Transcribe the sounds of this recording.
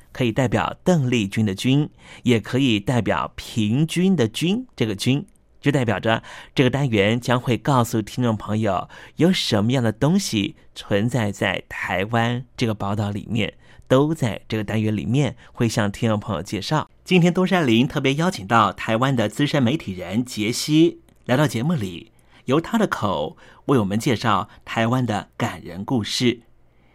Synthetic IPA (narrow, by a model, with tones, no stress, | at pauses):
kʰɤ˧˥i˨˩t̪a˥˩ɪpjɑ̰˨˩ʊt̪ɤ˥˧ŋli˥˩t͡ɕy˥nd̪ə˨t͡ɕy˥njɛ˨˩kʰɤ˧˥i˨˩t̪a˥˩ɪpjɑ̰˨˩ʊpʰi˧˥ŋt͡ɕy˥nd̪ə˨t͡ɕy˥nʈ͡ʂɤ˥˩ɡə˩t͡ɕy˥n | t͡ɕjo˥˧ʊt̪a˥˩ɪpjɑ˨˩ʊʈ͡ʂə˦ʈ͡ʂɤ˥˩ə˩t̪a˥nɥɛ˧˥nt͡ɕjɑ˥ŋxwe˥˧ɪkɑ˥˧ʊsu˨˩t̪ʰi˥ŋʈ͡ʂʊ˥˩ŋpʰɤ˧˥ŋjo˨˩ʊjo˨˧˩ʊʂə˧˥nmə˧jɑ˥˩ŋd̪ə˩t̪ʊ˥ŋɕi˨˩t͡sʰwə˧˥nt͡sa˥˧ɪt͡sa˥˩ɪt̪ʰa˧˥ɪwa˥nʈ͡ʂɤ˥˩ɡə˩pɑ˥˧ʊt̪ɑ˥˩ʊlḭ˨˩mjɛ̰˥˩n | t̪o˥ʊt͡sa˥˧ɪʈ͡ʂɤ˥˩ɡə˩t̪a˥nɥɛ˧˥nlḭ˨˩mjɛ˥˧nxwe˥˧ɪɕjɑ˥˩ŋt̪ʰi˥ŋʈ͡ʂŋpʰɤ˧˥jo̰˨˩ʊt͡ɕjɛ˥˧ʂɑ˥˩ʊt͡ɕi˥nt̪ʰjɛ˥nt̪wɔ˥ʂ̬a˥ɪli˧˥nt̪ʰɤ˥˩p̬jɛ˧˥jɑ˥ʊt͡ɕʰi˨˩ŋt̪ɑ˥˩ʊt̪ʰa˧˥ɪwa˥nd̪ə˨t͡sɹ̩˥ʂə˥nme˧˥ɪt̪ʰi˨˩ɻə˧˥nt͡ɕjɛ˧˥ɕi˥ | la˧˥ɪɾɑ˥˩ʊt͡ɕjɛ˧˥mu˥˩li˨˩˦ | jo˧˥ʊt̪ʰa˥d̪ə˨kʰo˨˩˦ʊwe˥˩ɪwɔ˨˩mə˦nt͡ɕjɛ˥˧ʂɑ˥˩ʊt̪ʰa˧˥ɪwa˥nd̪ə̰˨˩ka˨˩nɻə̰˧˥nku˥˧ʂɻ̩˥˩